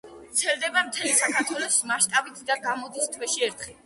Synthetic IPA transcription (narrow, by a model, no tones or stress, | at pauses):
t̪sʰɛlˠd̪ɛbamt̪ʰɛlisatʰaɾt̪ʰwɛlˠɔsmaʃt̪ʼabit̪ʰd̪aɡamɔd̪ist̪ʰwɛʃiɛɾt̪ʰχɛ